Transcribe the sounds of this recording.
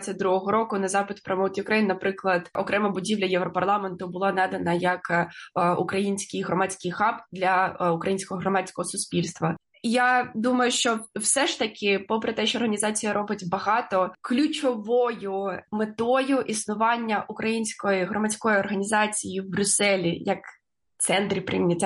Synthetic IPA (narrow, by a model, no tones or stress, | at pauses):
ɐt̚ʲd̪ɾuɦɔɦɔɾɔkʊnɐzɑpɪt̪pɾɐmɔt̪ʲijʊkɾɐjinnɐpɾɪklˠɐd̪̥ʔɔkɾɛmɐbʊdʲiʋlʲɐjɛwɾɔpɐrlˠɑment̪ʊbʊlˠɑnɑd̪ɐnɐjɐk | ṵkɾɐjinʲsʲkɪjɦɾɔmat͡sʲkɪjxɑpd̪lʲɐʊkɾɐjinʲsʲkɔɦɔɦɾɔmɑt͡sʲkɔɦɔsʊsʲpʲilʲst̪ʋɐ | jad̪umɐjʊʃt͡ʃɔwsɛʃt̪ɐkʲʰɪpɔpɾet̪ɛʃt͡ʃɔːrɦɐnʲizɑt͡sʲijɐɾʔɔbɪtʲbɐɦɑt̪ɔklʲʊt͡ʃɔʋɔjʊmet̪ɔjʊʔisnʊʋɑnʲːɐʔukɾɐjinʲsʲkɔjiɦɾɔmɐt͡sʲkɔjiɔrɦɐnʲizɑt͡sʲijiwbɾʲʊsɛlʲijɐk | t̪sɛnt̪ɾʲipɾʲimnʲɐtʲa